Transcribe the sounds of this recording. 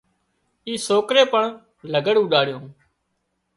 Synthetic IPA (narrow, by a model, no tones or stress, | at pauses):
iːsoːkɾeːpəɳ | ləɡəɽũːɗaːɽɪjõː